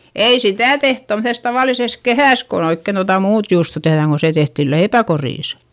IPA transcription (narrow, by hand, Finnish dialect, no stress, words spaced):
ei sitæˑ teht tomses tɑʋɑˑlises kehæˑs kon oikːen totɑ muːt juːsto tehðæŋ ko se tehtil leipækoriˑs